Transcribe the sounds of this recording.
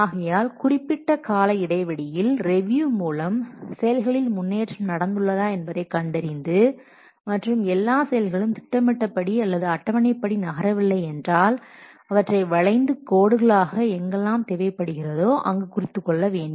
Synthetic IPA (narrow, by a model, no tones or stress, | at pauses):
aːɣɐjaːlkʊrɪpːɪʈːɐkaːlɐɪɽɐɪʋɐɽɪjɪlɾɛʋjuːmuːlɐmsɛjɐlɣɐɭɪlmʊnːeːʈrɯmnɐɽɐnd̪ɯɭːɐðaːɛnbɐðɐɪkɐɳɖɐɾɪnd̪ɯ | mɐʈrɯmɛlːaːsɛjɐlɣɐɭɯmt̪ɪ̥ʈːɐmɪʈːɐpːɐɽiɐlːɐðɯɐʈːɐʋɐnɐɪpːɐɽinɐɣɐɾɐʋɪlːɐɪɛndraːl | ɐʋɐʈrɐɪʋɐɭɐɪnd̪ɯkoːɽɯɣɐɭaːɣɐɛŋɡɐlːaːmt̪ɛʋɐɪpːɐɽɯɣɪrɐðoːʔɐ̰ŋɡɯkʊrɪt̪ːɯkːɔɭːɐʋeːɳɖɯm